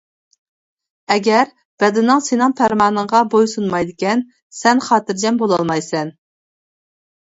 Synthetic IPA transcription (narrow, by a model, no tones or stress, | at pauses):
ɛɡʲɛɾ | b̥ɛd̪ɪnɨŋsenɨŋpʰæɾmɑːnəŋʁɑbojsunmɑjd̪ɪkʲɛn | sɛnχɑːt̪ɨɾd͡ʒɛmbolˠɑlˠmɑjsɛn